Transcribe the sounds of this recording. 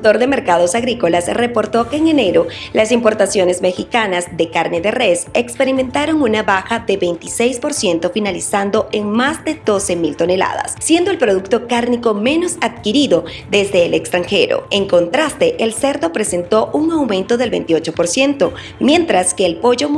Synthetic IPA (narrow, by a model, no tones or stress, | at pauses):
t̪o̞ɾðe̞me̞ɾkaðo̞saɣɾiko̞lasre̞po̞ɾt̪o̞ke̞ːŋe̞ne̞ɾo̞lasimpo̞ɾt̪asjo̞ne̞zme̞xikanazðe̞kaɾne̞ðe̞re̞se̞kspe̞ɾimẽ̞nt̪aɾo̞ŋunaβaxaðe̞βe̞jnt̪ise̞jspo̞ɾsje̞nt̪o̞finalisand̪o̞eŋmazd̪e̞ðo̞se̞milt̪o̞ne̞la̰ða̰sːje̞nd̪o̞e̞lpɾo̞ðukt̪o̞kaɾniko̞me̞no̞saðkiɾiðo̞ | ðe̞zd̪e̞ːlekst̪ɾaŋxe̞ɾo̰eŋko̞nt̪ɾast̪e̞ʔelse̞ɾd̪o̞pɾe̞se̞nt̪o̞ʔuŋawmẽ̞nt̪o̞ðe̞lβent̪io̞t͡ʃo̞po̞ɾsje̞nt̪o̞ | mje̞nt̪ɾaske̞ːlpo̞ʝo̞